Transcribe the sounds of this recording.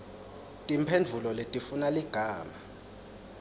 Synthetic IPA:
tʼimpʰend͡vʱulɔletʼifunaliɡ̥ʱaːma

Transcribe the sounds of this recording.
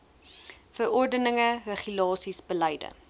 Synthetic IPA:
fəɾɔrdənəŋərəχylɑːsisbəlɛjdə̰

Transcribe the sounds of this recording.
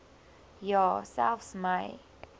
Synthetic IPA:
jɔsɛ̰lfsmaɪ

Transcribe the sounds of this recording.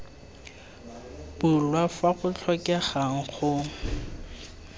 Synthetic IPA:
b̥ʊlwafaχʊt͡ɬʰɔkʼɛχaŋ̩χʊ

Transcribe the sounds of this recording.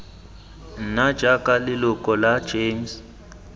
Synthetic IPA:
nad̥ʒ̥ʱakʼalɪlʊkʼɔlḁd͡ʒeːms

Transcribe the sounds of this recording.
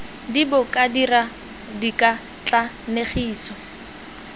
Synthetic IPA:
dibʊkʼadira | dikʼa | t͡ɬʼa | neχiːsɔ

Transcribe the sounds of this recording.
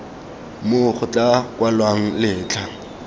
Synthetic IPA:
moχʊt͡ɬʼakʼwalwaŋ̩lɪːt͡ɬʰʼa

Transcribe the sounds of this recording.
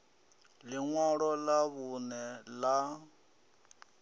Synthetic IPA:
lɪŋwɔɺɔlaβunɛla

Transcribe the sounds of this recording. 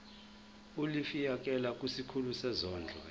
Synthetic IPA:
ulifijak̬ʼɛlak̬ʼusikʰulusɛzɔːnd͡ɮʱɔ̰

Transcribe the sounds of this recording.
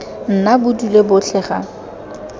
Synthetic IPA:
n̩nabʊdulebʊt͡ɬʰɛːχa̰

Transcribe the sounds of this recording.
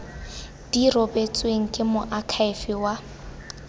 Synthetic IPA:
d̥irɔbet͡sʼweŋ̩kʼɪmʊʔakʰaɪfiwa

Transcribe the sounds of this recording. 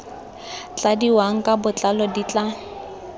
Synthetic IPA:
t͡ɬadiwaŋ̩kʼabʊt͡ɬʼalɔdit͡ɬʼa

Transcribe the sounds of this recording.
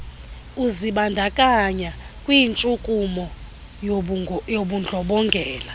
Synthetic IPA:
uziɓandʱakʼaɲakʼwiːnt͡ʃʼukʼumɔ | joɓund͡ɮʱɔɓɔŋɡʱɛːla

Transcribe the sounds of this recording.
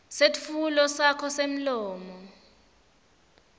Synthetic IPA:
setfulɔsakʰɔsem̩lɔːmɔ

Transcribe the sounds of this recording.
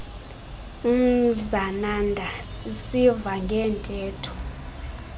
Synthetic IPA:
um̩zanandʱasisivaŋɡʱɛːntʼɛːtʰu̥

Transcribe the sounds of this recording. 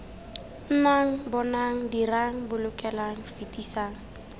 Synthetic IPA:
n̩naŋ̩bɔnaŋ̩diraŋ̩bʊlʊkʼɛlaŋ̩fitʼisaːŋ̩

